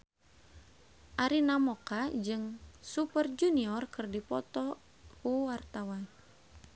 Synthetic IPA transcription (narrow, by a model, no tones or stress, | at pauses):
ʔaɾinamɔkad͡ʒɨŋsupərd͡ʒuniɔrkɨrdipɔt̪ɔ | kuwart̪awan